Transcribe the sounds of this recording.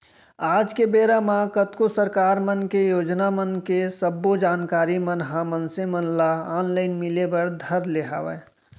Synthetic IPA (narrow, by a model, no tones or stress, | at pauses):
aːd͡ʒkebeːɾamãkət̪kosəɾkaːɾmənkejoːd͡ʒnamənkesəbːod͡ʒaːnkaːɾimənɦãmənsemənlaaːnlaɪnmilebəɽd̪ʱəɾleɦa̰ːʋə̰